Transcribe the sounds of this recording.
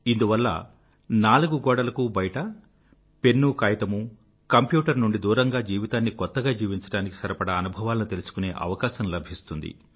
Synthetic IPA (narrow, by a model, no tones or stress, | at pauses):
ind̪uʋɐlːɐ̰ | naːluɡuɡɔːɽɐlɐkuːbɐjʈɐ | pe̞nːukaːjɐt̪ɐmu | kɐmpjuːʈɐɾnuɳɖid̪uːɾɐŋɡaːd͡ʒiːʋit̪aːnːikɔt̪ːɐɡaːd͡ʒiːʋiɲt͡ʃɐ̥ɽaːniki̥sɐɾɐpɐɽɐːnubʱɐʋaːlɐnut̪e̞lusu̥kune̞ːʔɐ̰ʋɐkaːʃɐmlɐbʱist̪und̪ḭ